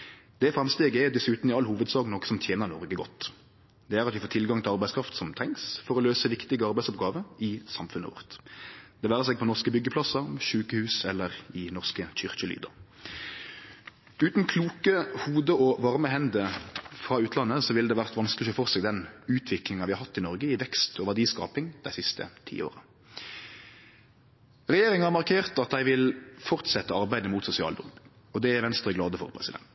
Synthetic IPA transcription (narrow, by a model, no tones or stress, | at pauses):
d̪̥ɛfɾɑmst̪eːɡɛd̪ɛsʉːt̪n̩ɪɑlːhuːʋəd̪sɑːɡnɔkːə̥sɔmt̪ʰjeːnəɾnɔʁɡəɡɔt̪ː | d̪̥ɛæʁɑt̪ʋɪfoːt̪ʰɪlɡɑŋt̪ʰɪlɑɾbæɪskʰɾɑft̪sɔmt̪ʰɾɛŋsfɔʁɔløːsəʋɪkt̪ɪɡəɑɾbæɪdsɔp̚ɡɑːʋəɪsɑmfʉnə̰ʋɔ̰ʁt̪d̪̥ɛʋæːʁəsɛːɡ̚pʰɔnɔʁskəbʏɡːəpʰlɑsɑʃʉːkəhʉːsɛlːəʁɪnɔʁskəçʏʁçəly̰ːd̪ɑ̰ | ʉːt̪nkʰluːkəhuːd̪əɔʋɑʁməhɛnd̪əfʁɑːʉːt̪ʰlɑnːəsɔʋɪlːd̪ɛʋæʁt̪ʋɑnskəlɪɔfɔʁsɛɡd̪ɛnʉːt̪ʰʋɪklɪŋɑʋɪːhɑɾhɑt̪ːɪnɔʁɡəɪʋɛkst̪ʰɔʋæʁdiːskɑ̰ːpɪŋd̪æɪsɪst̪ə̰t̪ʰḭːo̰ːʁə | ʁɛjeːɾɪŋɑhɑmɑʁkʰeːʁt̪ɑt̪̚d̪æɪʋɪlfɔʁt̪sɛt̪ːəɑʁbæɪd̪əmuːt̪sʊsɪɑ̰ːld̪ɔ̰m | ɔd̪ɛæɾʋɛnst̪ɾʁəɡlɑːd̪əfɔ̰ʁpʰʁɛsɪd̪ɛ̰nt̪